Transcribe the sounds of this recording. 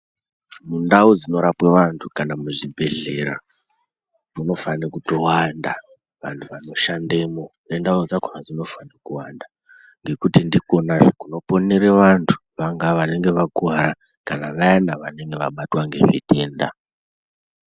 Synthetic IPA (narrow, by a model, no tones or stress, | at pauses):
mundaud͡zino̞ɾapweʋantʰukanamuʐibʱe̞ɮe̞ɾa̰ | muno̞fanekuto̞wanda | ʋantʰuʋano̞ʃande̞mo̞nendaud͡zakonad͡zino̞fanekuwanda | ŋɡe̞kutindiko̞naʐekuno̞po̞neɾe̞ʋantʰu̥ʋaŋɡaʋane̞ŋɡe̞ʋakuaɾa | kanaʋaendaʋane̞ŋɡe̞ʋa̰ɓatwaŋɡe̞̰ʐḭte̞ːnda̰